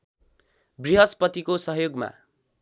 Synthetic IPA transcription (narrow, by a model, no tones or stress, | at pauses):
briɦʌspʌt̪ikosʌɦjoɡma̰